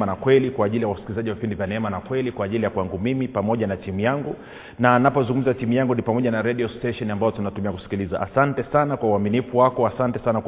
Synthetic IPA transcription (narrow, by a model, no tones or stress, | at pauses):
anakwɛlikwaːʄilijawasi̥kilizaʄiwavipindivjanɛɛmanakwɛlikwaːʄilijakwaŋɡumimipamɔʄanatimujaŋɡu | nanapɔzuŋɡum̩zatimujaŋɡunipamɔʄanaɾɛɗiɔstɛʃɔniambaɔtunatumiaku̥si̥kiliza̰ʔa̰santɛsanakwauaminifuwakɔasantɛsanakw